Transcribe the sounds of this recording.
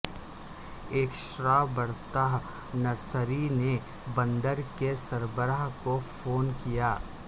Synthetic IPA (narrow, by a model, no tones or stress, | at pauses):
eːkʃɾaːbəɾt̪aɦ | nɐɾsəɾine | bɐ̃nd̪əɾkesɐɾbəɾaɦkofʰoːnkijaː